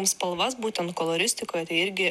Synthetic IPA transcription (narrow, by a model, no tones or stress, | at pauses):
mspɐlˠʋɐsbuːt̪ʲɛnt̪kɔlˠɔɾʲɪsʲt̪ʲɪkoːjɛt̪ɐɪɪɾʲɡʲɪ